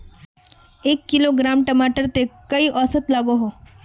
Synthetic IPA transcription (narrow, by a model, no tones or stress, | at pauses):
eːkːɪloɡɾaːmʈəmaːʈəɾt̪ekɐiʔɔːsət̪laːɡoɦoː